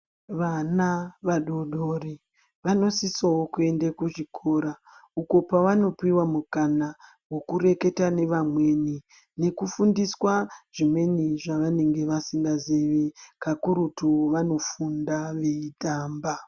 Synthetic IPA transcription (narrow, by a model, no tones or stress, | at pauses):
ʋanaʋaɗo̞ɗo̞ri | ʋano̞sisawokue̞ndekuʐikʰo̞ɾa | uko̞paʋano̞piwamukana | wo̞kuɾe̞ke̞tane̞ʋamwe̞ni | ne̞kufundiswaʐ̥imwe̞niʐaʋane̞ŋɡe̞ʋasiŋɡazeʋekakuɾutuʋano̞fundaʋeitaːmba